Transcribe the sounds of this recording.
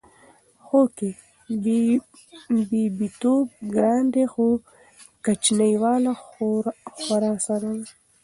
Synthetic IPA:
xoke | bibit̪ob̚ɡɾɑːnd̪exo | kat͡ʃnajwɑːla | xaɾɑsad̪an

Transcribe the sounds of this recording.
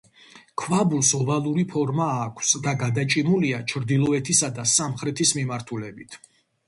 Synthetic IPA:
kʰvabulˠsɔvalˠuɾipʰɔɾmaːkʰsd̪aɡad̪at͡ʃʼimuliat͡ʃʰɾd̪ilˠɔɛt̪ʰisad̪asamχɾɛt̪ʰismimaɾt̪ʰulɛbit̪ʰ

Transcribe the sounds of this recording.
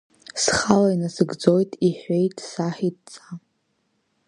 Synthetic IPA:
sχalainasɨɡd͡zo̞jtʼiħʷᶣe̞jtʼsaħit̚ʼt͡sʼa

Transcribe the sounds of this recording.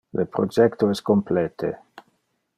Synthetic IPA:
lepɾod͡ʒɛkt̪oɛskomplɛːt̪ʰe

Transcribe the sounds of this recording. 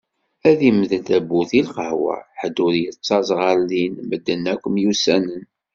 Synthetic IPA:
æðimðənt̪æbːuθilqəhwæ̰ħəd̪ːʊɾjət͡sːɑzˤʁəɾlinməd̪ːənːækʷːəmjusænən

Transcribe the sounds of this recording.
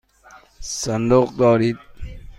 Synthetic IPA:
sand̪uqd̪ɔːɾiːd̪̚

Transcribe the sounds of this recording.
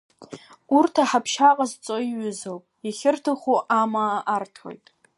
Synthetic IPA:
urtʰaħapʰʃaqʼazt͡sʼoiɥʏzowpʼiχʲɪrtʰɨχuʔamaːʔːrtʰo̞̰jtʼ

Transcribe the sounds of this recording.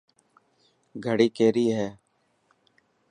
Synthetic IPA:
ɡʱəɽiːkeːɾiːɦɛː

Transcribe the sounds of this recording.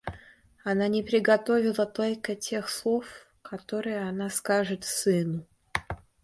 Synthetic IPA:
ɐnanʲɪpɾʲɪɡɐt̪o̞vʲɪlˠət̪o̞lʲkətʲʰe̞xslˠo̞f | kʰɐt̪o̞ɾɨjəɐnaskaʐɨt̪sɨnʊ

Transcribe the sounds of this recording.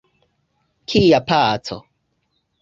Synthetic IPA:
kʰijapaːt͡so̰

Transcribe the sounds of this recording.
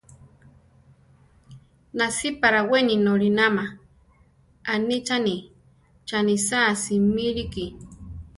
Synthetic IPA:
nasipaɾaweninoɾinama | anit͡ʃani | t͡ʃanisasimiɾiki

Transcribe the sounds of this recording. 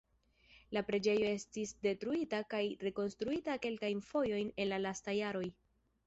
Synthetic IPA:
lapɾe̞d͡ʒe̞jo̞e̞stisde̞tɾuitakajɾe̞ko̞nstɾuitake̞lkajnfo̞jo̞jne̞nlalastajaɾo̞j

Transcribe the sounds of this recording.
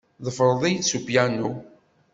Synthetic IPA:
ðˤəfəɾˤðˤisupjænu

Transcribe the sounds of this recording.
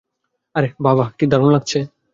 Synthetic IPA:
ɐɾebʱaːbaːkiːd̪ʱəɾənləɡ̚t͡ʃʰe

